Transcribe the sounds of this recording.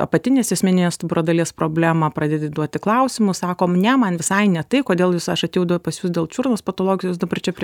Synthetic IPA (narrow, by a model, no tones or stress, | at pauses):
ɐ̰pɐt̪ʲɪnʲeːsɛsʲmʲɪnʲɪnʲeːstbʊɾoːd̪ɐlʲiɛspɾoːbʲlʲæːmɑpɾrɐd̪ʲeːd̪ʲɪd̪uɔt̪ʲɪklˠɐʊsʲɪmʊsɑːkoːnʲɛmɐnʋʲɪsɐɪnʲɛt̪ɐɪkoːd̪ʲeːlˠjʊsɐʃɐt̪ʲeːjɛʊd̪ɐpɐsjuːsd̪ʲeːlˠt͡ʃʲuːrnoːspɐt̪oːlˠoːɡʲɪjoːs̬d̪ɐbɐrt͡ʃʲɛpʲɾʲ